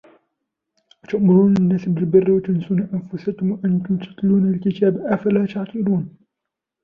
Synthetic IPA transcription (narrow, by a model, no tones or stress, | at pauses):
wat̪ʊʔmʊɾuːnlɪnːaːsbɪlbɪrːɪwat̪ʊnsuːnaʔanfʊsakʊmwaʔant̪ʊmt̪ḁt̪luːnalkɪt̪aːbaʔafalaːt̪aʕt̪ˤɨluːn